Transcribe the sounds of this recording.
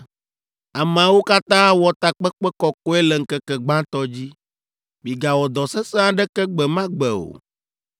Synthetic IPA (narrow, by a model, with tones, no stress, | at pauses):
a˨m˨a˨wo˦ka˦t̪ã˦wɔ˨t̪a˨k͡pɛ˦k͡pɛ˦kɔ˨ko˦ɛ˦lɛ˨ŋ̩˨˦kɛ˦kɛ˨ɡ͡bã˦t̪ɔ˦d͡ʑi˦ | bi˨ɡa˨wɔ˨d̪ɔ˨sɛ˦sẽ˦a˦ɖɛ˦kɛ˦ɡ͡bɛ˨mã˦ɡ͡bɛ˨o̰˨